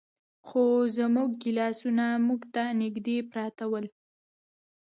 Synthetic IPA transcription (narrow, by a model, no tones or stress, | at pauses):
xozəmuɡ̚ːɪlɑsunamuɡt̪anɪɡd̪epɾɑt̪awəl